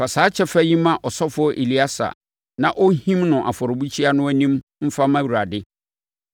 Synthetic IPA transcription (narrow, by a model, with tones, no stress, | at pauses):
fa˨saː˨˦t͡ɕʰɛ˦fæ˦jĩ˦mã˦ʔɔ˨sɔ˦fʊ˦ɔ˦ʔe˨li˦a˦sa̰˨ | nã˦ʔɔ˦hĩ˦mnʊ̃˨ʔa˨fɔ˨ɾʊ˨bu˦t͡ɕʰi˦a˦nʊ̃˦æ˦nĩ˦mm̩˦fa˦mã˦wu˨ɾa˨dɪ˦